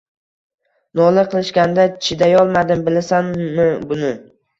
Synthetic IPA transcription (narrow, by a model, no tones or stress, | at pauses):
nɒlɪqʰɨlˠɪʃkʲand̪at͡ʃʰɪd̪ajɒlˠmad̪ɪmbɪlasanmɪbʊnɪ